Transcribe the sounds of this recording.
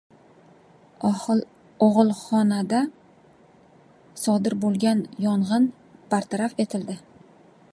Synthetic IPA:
oʁlˠχɒnad̪a | sɒd̪ɪɾbolˠɡʲanjɒɴʁɨn | paɾt̪ʰaɾafe̞t̪ʰɪld̪ɪ

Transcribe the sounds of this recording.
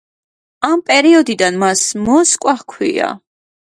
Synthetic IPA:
ampʼɛɾiɔd̪id̪anmasmɔskʼwaχkʰwḭa̰

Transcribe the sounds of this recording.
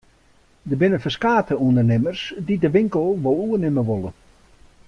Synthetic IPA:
dəbɪnəfəskaːtəundərnɪmərsdidəʋɪŋkəlˠʋolˠuənɪməʋolˠə

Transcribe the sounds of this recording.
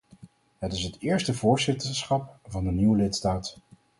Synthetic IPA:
ɦətɪsɦətɪːɹstəvʊːɹzɪtəɹsχɑp̚vɑndəniwəlɪtstaːt

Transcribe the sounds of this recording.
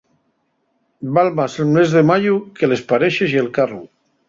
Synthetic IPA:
balmaselmezðemaʎukelespaɾeʃezielkaru

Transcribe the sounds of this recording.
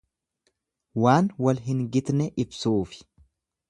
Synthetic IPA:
waːnwɐlɦɪŋɡɪt̪nɛʔɪbsuːfɪ̥

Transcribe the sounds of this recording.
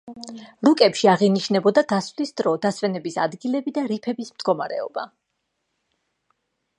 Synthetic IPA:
ɾukʼɛpʃiaʁiniʃnɛbɔd̪ad̪asvlisd̪ɾɔd̪asvɛnɛbisa̰d̪ɡilɛbid̪aɾipʰɛbismd̪ɡɔmaɾɛ̰ɔ̰ba̰

